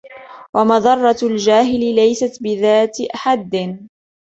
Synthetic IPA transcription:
wamɑðˤɑrˤːɑld͡ʒaːɦɪlɪlajsat̪bɪðaːt̪ʔaħad̪ː

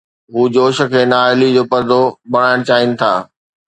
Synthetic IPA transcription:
ɦuːd͡ʑoːʃə̆kʰeːnaːɪlid͡ʑoːpɐɾd̪obɐɽ̤̃aːɽ̃t͡ɕaːɪnɪ̆t̪ʰa̰ː

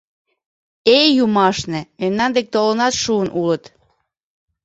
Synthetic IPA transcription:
ejumɑʃnĕmemnɑnd̪ek̚t̪olənɑt̪ʃuənulət̪

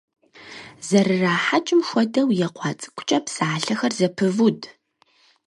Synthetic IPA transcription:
zɐrɨraːħat͡ʃʼɪmʃʷɔdɐwjɛqʷɑːt͡sʼɨ̥kʷʰʼʊ̥t͡ʃʼɐpsaːɬɐxɐrzɐpʰɨvud

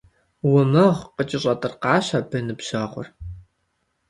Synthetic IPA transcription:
wʊmɐʁqət͡ʃʼɪɕʼɐtʼɨrqɑːɕabʰɐnɨpɕaːχʷʊ̰r

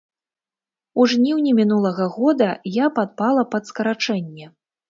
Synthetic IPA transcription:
uʐnʲiwnʲimʲin̪ulˠɐɣɐɣɔd̪ɐjapad̪̚palˠɐpɐt̪skɐɾat͡ʂɛnʲːɛ

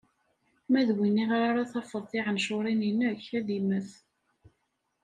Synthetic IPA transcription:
mæðwinːiʁaɾaɾaθɑfəðˤθɪʁənʃʊɾˤininəçæðiməθ

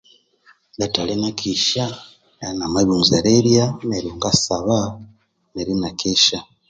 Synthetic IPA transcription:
datalenakʰiʃa | namaβunzaɾeɾjameɾuŋɡasaβa | neɾinakʰeʃa

